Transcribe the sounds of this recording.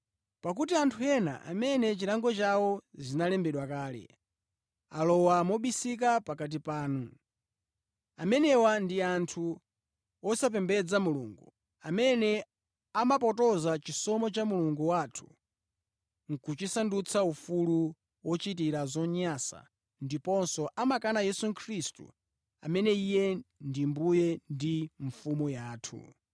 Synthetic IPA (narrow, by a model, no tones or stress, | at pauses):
pak̬utiantʰuɛna̰ʔa̰mɛnɛt͡ʃiɾaŋɡɔt͡ʃawɔzinalɛmbɛɗwakaːlɛ̰ | alɔwamɔɓisik̬apakat̬ipaːnu | amɛnɛwandiantʰu | ɔsap̬ɛmbɛd͡zamulṵːŋɡṵ | amɛnɛ | amapɔtɔzat͡ʃisɔmɔt͡ʃamuluŋɡuwatʰu̥ | ŋ̩kut͡ʃisandut͡sʰaufulu | wɔt͡ʃitiɾazɔɲasa̰ | ndipɔnsɔʔamakanajɛsukʰɾistṵ | a̰mɛnɛijɛndimbujɛndiɱ̩fumujaːtʰṵ